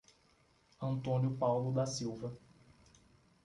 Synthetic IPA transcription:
ɐ̃nt̪õnjʊpawlʊd̪ɐsiwvɐ

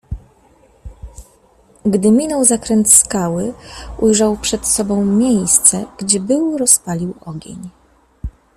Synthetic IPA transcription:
ɡd̪ɘmʲinɔwzakɾɛnt̪skawɘujʐawpʂɛt̪sɔbɔ̃w̃mʲjejst̪sɛɡ̥d͡ʑɛbɘwɾɔspalʲiwɔɡʲḛɲ

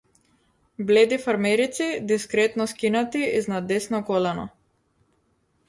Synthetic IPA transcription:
blɛd̪ifaɾmɛɾit̪sid̪iskɾɛt̪nɔskinat̪iiznad̪ːɛsnɔkɔlɛnɔ̰

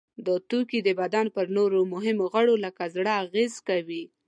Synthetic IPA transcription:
d̪ət̪ukid̪əbad̪anpəɾnoɾomʊɦɪmoɣəɽoləkazɽəːɣezkawi

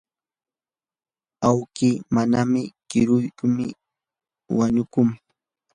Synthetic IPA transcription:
awkiːmanamɪkɪɾʊjkʊmɪ̰ | waɲʊkʊŋ

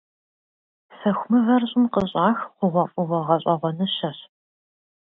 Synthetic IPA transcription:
fɐxʷʊmɨvɐrɕʼʊmqəɕʼaːxqʷʊʁʷɐfʼʊʁʷɐʁɐɕʼɐʁʷɔnɨɕɐɕ

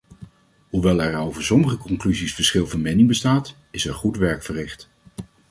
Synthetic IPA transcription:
ɦuʋɛlˠɛɹowvəɹsɔməχəkɔŋklyzisfəɹsχɪlˠvɑnmɛnɪŋbəstaːt | ɪsəɹχutʋɛɹkfərɪχt

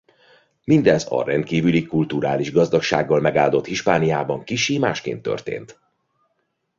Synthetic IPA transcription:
mind̪ɛzɒ̰ɾɛnt̪kiːvylikult̪uɾaːliʒɡɒzd̪ɒkʃa̰ːɡːɒlmɛɡaːld̪o̞t̪hiʃpaːnijaːbɒŋkiʃiːmaːʃkḛːnt̪ːø̰rt̪ḛːnt̪

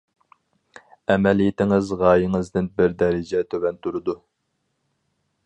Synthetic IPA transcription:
ɛmɛlijit̪ʰɪŋɪzʁɑːjɪŋɨzd̪ɪnbɪɾd̪ɛɾɪd͡ʒɛt̪ʰøwɛnt̪uɾɨd̪u

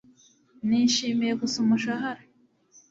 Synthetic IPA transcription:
niːʃiːmiɾe̞kusumuʃaɦaɾa

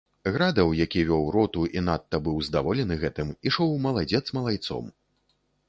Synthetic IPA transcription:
ɣɾad̪ɐwjakʲivʲɔwɾɔt̪uʔinat̪ːɐbɨwzd̪avɔlʲɛnɨɣɛt̪ɨmiʂɔwmɐlˠad͡zʲɛt̪smɐlˠajt̪sɔ̰m

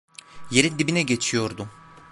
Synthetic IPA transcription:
je̞ɾind̪ibinɛɟe̞t͡ʃʰijo̞ɾd̪ʊ

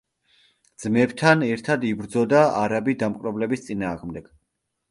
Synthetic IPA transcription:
d̪z̥mɛbt̪ʰanɛɾt̪ʰad̪ibɾd̪zɔd̪aaɾabid̪amqʼɾɛblɛbist̪sʼinaːʁmd̪ɛɡ̥

